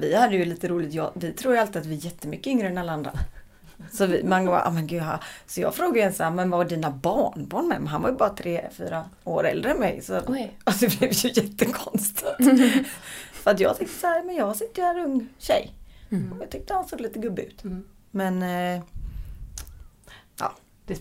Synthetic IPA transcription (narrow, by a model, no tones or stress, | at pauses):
vɪhad̪ːəjɵliːt̪əɾuːlɪt̪jɑ̰ːvɪt̪ʰɾuːɾjalt̪ɪat̪vɪjɛt̪ːəmʏkːəʏŋɾəɛnalːaand̪ɾa̰ | sɔvɪmɛanɡoba̰ʔɑ̰mɛnɡʉ̟d̪ɦa̰sɔjɑ̰ːɡfɾoːɡajɛnshæːɾmɛnvaɖiːnabɑːɳbɑːɳmɛ̰mɛɦanva̰ɾjəbɑːɾat̪ʰɾeːfy̰ːɾa | o̰ːɾɛ̰ld̪ɾəɛnmɛ̰jsɔasɔvɪvjɵjɛt̪ːəkʰɔnst̪ʰɪt̪ | fəɾat̪̬jɑ̰ːɡt̪ʏkt̪ə̥sæːɾɑːmɛnjɑːsɪtt̪ːəjɛnɵŋːɕɛ̰jmɛjɑt̪ʏk̚t̪əhansoːɡ̪liːt̪əɡɵbːɪʉ̟ːt̪ | mɛn | ʔɑ̰ː